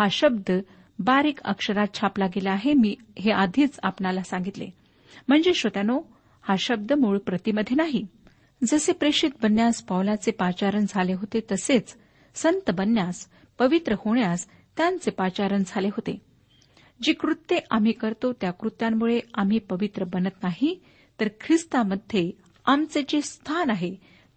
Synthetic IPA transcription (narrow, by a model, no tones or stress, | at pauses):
haɕəb̚d̪ʱə | baɾiːkə̰kʂəɾat̪̚t͡ɕʰaplaɡeleaɦemiː | ɦead̪ʱiːt͡sapnalasãŋɡit̪lḛ | m̤əɳd͡zeɕot̪jano | haɕəb̚d̪ʱəmuɭpɾət̪iməd̪ʱjenaɦi | d͡zəsepɾeɕit̪̚bənjaspawlat͡sepat͡ɕaɾənd͡zʱaleɦot̪et̪əset͡s | sənt̪əbənːjas | pəʋit̪ɾəhoɳjas | t̪jãnt͡sepat͡ɕaɾənd͡zʱaleɦot̪e | d͡ʑiːkɾut̪ːeʔam̤ikəɾt̪ot̪jakɾut̪ːjamːuɭeam̤ipəʋit̪ɾəbənət̪naɦi | t̪əɾkʰɾist̪aməd̪ʱːje | amt͡sed͡ʑest̪ʰanaɦe